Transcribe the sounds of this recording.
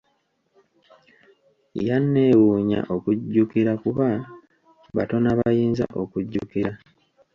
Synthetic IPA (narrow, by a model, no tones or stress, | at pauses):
janːe̞ːwuːɲa̰ʔo̞kuɟːukiɾakuβa | βa̰to̞naβajiːnza̰ʔo̞kuɟːukiɾa